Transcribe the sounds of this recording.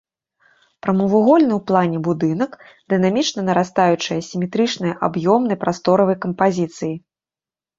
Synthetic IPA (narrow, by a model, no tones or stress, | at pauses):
pɾɐmuvuɣɔlʲnɨwplˠanʲɛbud̪ɨnɐk | d̪̥ɨnamʲit͡ʂnɐnɐɾast̪ajut͡ʂɨjɐsʲimʲɛt̪ɾɨt͡ʂnɨjɐʔa̰bjɔmnɐjpɾʔast̪ɔɾɐvɐjkɐmpazʲit̪sɨji